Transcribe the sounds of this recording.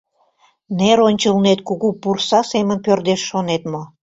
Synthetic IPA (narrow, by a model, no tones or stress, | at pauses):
neɾonʲt͡ɕəlnet̪kuɣupursɑsemənpørd̪eʃːonet̪mo